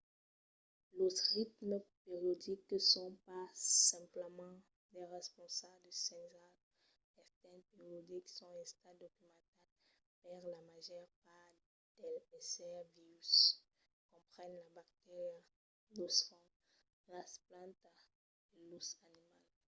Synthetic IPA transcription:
leʁit̪məpeʁjod̪iksɔ̃pasɛ̃pləmɑ̃ | d̪ɛʁɛspɔ̃sabld̪əsɛ̃nza | ɛʁt̪ɛnpeʁjod̪iksɔ̃ɛ̃st̪ad̪okymɑ̃t̪ɛ | paʁlamaʒɛʁpaʁ | d̪̥ɛlpesɛʁviʁys | kɔ̃pχɛnlabak̚t̪eʁja | dosfɔ̃ | lasplɑ̃t̪ | d̪̥əlusanimal

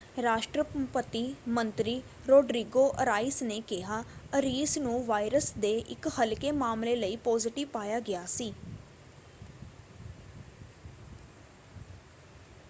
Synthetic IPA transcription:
ɾaːʃʈɾəpət̪iːmənt̪ɾiː | ɾoːɖɾiːɡoːʔəɾaːɪsneːkɪɦaːəɾiːsnũːʋaːiɾəsd̪eːʔɪkhəlkeːmaːmleːləiːpɔːzɪʈɪʋpaːjaːɡɪaːsiː

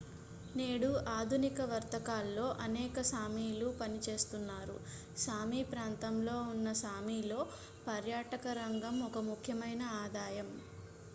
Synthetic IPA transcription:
neːɽuʔaːd̪ʱunikɐʋɐɾt̪ɐkaːlːo̞ːʔɐnɛːkɐsaːmiːlupɐnit͡ʃe̞ːst̪unːaːɾṵ | saːmiːpɾaːnt̪ɐmlo̞ːunːɐsaːmiːlo̞ː | pɐɾjaːʈɐkɐɾɐŋɡɐmɔkɐmukʰjɐmɐjnɐaːd̪aːjɐm

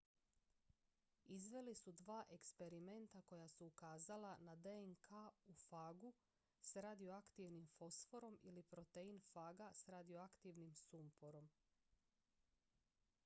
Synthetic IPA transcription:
izʋe̞lisud̪ʋaːʔe̞kspe̞ɾime̞nt̪ako̞jasuːkaːzalanad̪eeŋkʰaufaːɡu | sɾad̪ioakt̪iʋnimfo̞sfo̞ɾo̞milipɾo̞t̪einfaːɡasɾad̪ioakt̪iʋnimsumpoɾo̞m

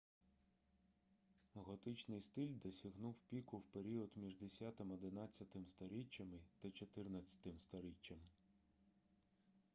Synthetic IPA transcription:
ɣɔt̪ɪt͡ʃnɪjst̪ɪlʲd̪ɔsʲɐɦnuwpʲikʊwpeɾʲiɔd̪mʲiʒd̪esʲat̪ɪmɔd̪ɪnɑt͡sʲːɐt̪ɪmst̪ɔɾʲit͡ʃːɐmɪt̪ɐt͡ʃɔt̪ɪrnɐt͡sʲːɐ̥t̪ɪmst̪ɔɾʲit͡ʃːɐm

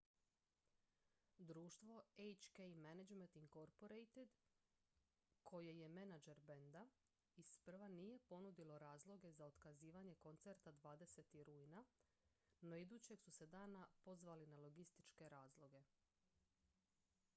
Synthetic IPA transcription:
d̪ɾuːʃt̪ʋo̞ejt͡ʃkejmenad͡ʒment̪iŋko̞ɾpoɾejt̪ed̪ | kʰo̞jeje̞menad͡ʒe̞ɾbe̞nd̪a | ispr̩ʋanije̞po̞nud̪ilo̞ɾaːzlˠo̞ɡe̞zaod̪kaziːʋaɲe̞ko̞nt̪se̞ɾt̪ad̪ʋaːd̪e̞se̞t̪iɾuːjna | no̞id̪uːt͡ɕe̞ɡsuse̞d̪aːnapo̞zʋalinalˠo̞ɡist̪i̥t͡ʃke̞ɾaːzlˠo̞ɡe̞

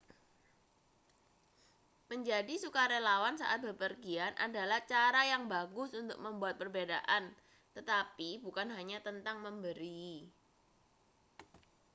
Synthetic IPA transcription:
məɲd͡ʒadisukaɾelawansa̰ʔa̰t̪̚bəpərɡianʔa̰dalaht͡ʃaɾajaŋbaɡʊsunt̪ʊk̚məmbuat̪̚pərbedaʔan | t̪ət̪apibukanɦaɲat̪ənt̪aŋməmbəɾi

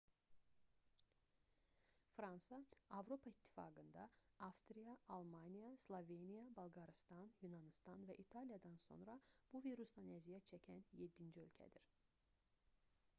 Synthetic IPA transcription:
fɾɑnsɑɑvɾo̞pʰɑit̪ʰːi̥fɑ̰ːɡɯnd̪ɑɑfst̪ɾijɑːlˠmɑnijɑslˠovenijɑbɑlˠɡɑɾist̪ɑnjunɑnist̪ɑnvæʔit̪ʰɑlijɑd̪ɑnso̞̰nɾɑb̥uviɾusd̪ɑnæzijæt͡ʃʰæcʰænje̞d̪ːind͡ʒiø̞lʲcʰæ̰d̪iɾ̥

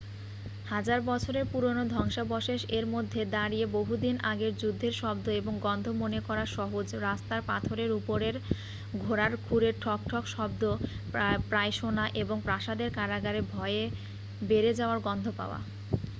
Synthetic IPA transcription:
had͡ʑaɾbɔt͡ɕʰoɾeɾpuɾonod̪ʱɔŋʃabɔʃeʃeɾmod̪ʱːed̪aɾieboɦud̪inaɡeɾd͡ʑud̪ʱːeɾʃɔb̚d̪oeboŋɡɔnd̪ʱomonekɔɾaʃɔɦod͡ʑɾast̪aɾpat̪ʰoɾeɾupoɾeɾ | ɡʱoɾaɾkʰuɾeɾʈʰɔk̚ʈʰɔkʃɔb̚d̪o | pɾajʃonaʔeboŋpɾaʃad̪eɾkaɾaɡaɾebʱɔee | beɾed͡ʑaoaɾɡɔnd̪ʱopa̰oa̰

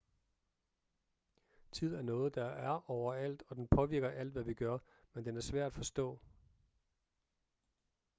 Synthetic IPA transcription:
t͡sʰið̞̰ˠæɐnɔ̽ːð̞̩ˠd̥ɑ̈æɐʔɒʊɐæl̰d̥ɒ̽d̥enpʰɒ̽ʋiɐ̰ɡ̥ɐʔæl̰d̥ʋæʋiɡ̥ɶɐ | mend̥enæɐsʋæɐ̰d̥æfɒ̽sd̥ɔ̰̽ː

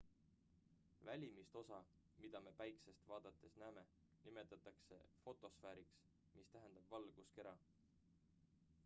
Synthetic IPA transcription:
vælʲimist̪o̞sɑ | mid̪̥ɑme̞pæjksest̪vɑːd̪̥ɑt̪ːˑe̞snæːme̞ | nime̞t̪ːˑɑt̪ːˑɑkse̞̰fo̞t̪ˑo̞sfæːɾiks | mist̪æɦend̪̥ɑb̥vɑlɡ̥uske̞ɾɑ

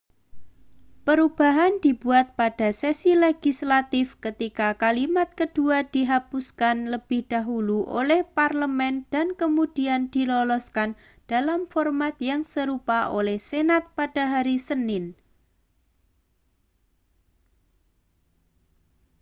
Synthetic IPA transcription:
pəɾub̥a̤ɦand̪̥ib̥uat̪̚pad̥a̤sesileɡ̥islat̪ɪfkət̪ikakalimat̪̚kəd̥uad̪̥iɦapuskanləb̥ɪhd̥aɦuluʔo̰lɛhparləmɛnd̪̥ankəmud̥iand̪̥i̤lɔlɔskan | d̥alamfɔrmat̪̚jaŋsəɾupaʔolɛhsenat̪̚pad̥a̤ɦaɾisənɪn

